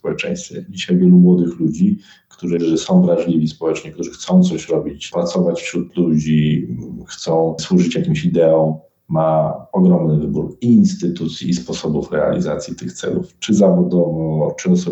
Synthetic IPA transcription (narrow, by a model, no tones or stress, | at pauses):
spɔwɛt͡ʂɛ̰̃j̃st̪fʲɛd͡ʑiɕajvʲjɛlumwɔd̪ɘxlud͡ʑi | kt̪uʐɨʐɨsɔ̃w̃vɾaʐlʲivʲispɔwɛt͡ʂɲɛkt̪uʐɘxt̪sɔ̃w̃t̪sɔɕɾɔbʲit͡ɕpɾat̪sɔvat͡ɕfɕɾut̪lud͡ʑixt̪sɔ̃w̃swuʐɘt͡ɕjakʲimɕid̪ɛɔ̃w | maɔɡɾɔmnɘvɘbuɾiːnst̪ɘt̪ut̪sʲjiːspɔsɔbufɾɛa̰lʲḭza̰t̪sʲjit̪ɘxt̪sɛ̰luft͡ʂɘzavɔd̪ɔvɔt͡ʂɨɔsɔ